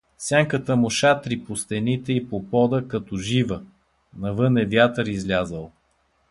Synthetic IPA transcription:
fsʲjaŋkət̪əmʊʃat̪ɾipost̪ɛnit̪ɛipopɔd̪əkɐt̪ɔʒivə | nɐvɤnɛvʲjat̪əɾizlʲazəlˠ

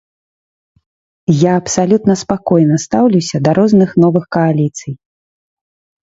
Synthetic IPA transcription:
jaɐpsalʲut̪nɐspakɔjnɐst̪awlʲuwsʲɐd̪ɐɾɔznɨxnɔvɨxkɐalʲit̪sɨj

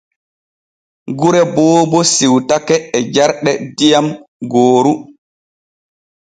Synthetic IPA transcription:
ɡuɾɛbɔːbɔsiwtakɛːd͡ʒaɾɗɛdijamɡoːɾu

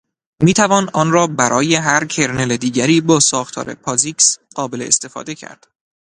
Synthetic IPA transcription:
miːt̪ʰævɒːnɒːnɾɒːbæɾʔɒːje̞ɦæɾcʰe̞ɾneled̪iːɟæɾiːbɒːsɒːxt̪ʰɒ̰ːɾe̞̰pʰɒːziksɢɒːbe̞lḛːst̪e̞fɒ̰ːd̪e̞cʰæ̰ɾd̪̥

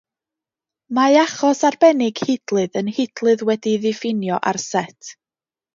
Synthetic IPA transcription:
maaχɔsarbɛnɪɡ̥hɪdlˠɨðənhɪd̥lˠɨðwɛdiðɪfɪnjɔʔarsɛtʰ

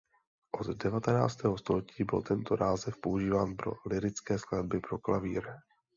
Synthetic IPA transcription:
ʔo̞t̪dɛvat̪ɛna̰ːt͡st̪ɛːɦo̞st̪o̞lɛciːbɪlt̪ɛnt̪o̞naːzɛfpo̞uʒiːvaːnpɾo̞̰lɪɾɪt͡skɛːsklad̚bɪpɾo̞klaviːɾ

